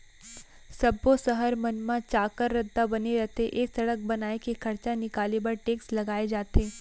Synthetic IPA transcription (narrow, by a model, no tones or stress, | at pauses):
sɐbːosəɦəɾmɐnmãt͡ʃaːkəɾːɐd̪ːabɐneɾɛɦt̪eʔeːksɐɽək̚bɐnaːekekʰɐɾt͡ʃanɪkaːlebɐɾʈeːkslɐɡaːed͡ʒaːt̪eː